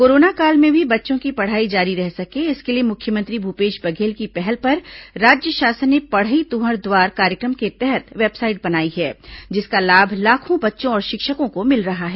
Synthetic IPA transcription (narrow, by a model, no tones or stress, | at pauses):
koːɾoːnakaːlmẽbʱibɐtːʃõkipɐɽ̤aːid͡ʒaːɾiɾɛɦsɐkeɪskeliemʊkʰjəmə̃nt̪ɾibʱupeːʃbɐɡʱeːlkipɛɦɛlpɐɾːaːd͡ʒjəʃaːsənːepɐɽ̤əit̪uɦəɾd̪waːɾkaːɾjəkɾəmket̪ɛɦɛt̪ʋeːbsaːɪʈ̚bɐnaːiɦɛːd͡ʒɪskalaːbʱlaːkʰõbɐtːʃõɔːɾʃɪkʃəkõkomɪlɾɐɦaɦɛː